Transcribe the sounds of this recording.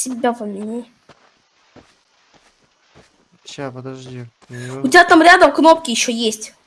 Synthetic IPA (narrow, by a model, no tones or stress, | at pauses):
sʲɪbʲavəmʲnʲe | ʊtʲɪbʲat̪amɾʲad̪əmkno̞p̚kʲɪjɪɕːojesʲtʲ